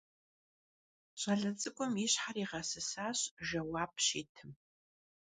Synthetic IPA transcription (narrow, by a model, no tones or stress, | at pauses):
ɕʷʼaɮɐt͡sʼɨkʷʼɔmiɕħaɾiːʁasɨsaːɕʒɐwaːp̚ʼʃiːtʰɨm